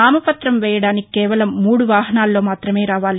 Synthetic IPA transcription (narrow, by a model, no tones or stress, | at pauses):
aːmɐpɐt̪ɾɐmʋɛːjɐɽaːnikkːɛːʋɐlɐmːuːɽuʋaːɦɐnaːlːo̞ːmaːt̪ɾɐme̞ːɾaːʋaːli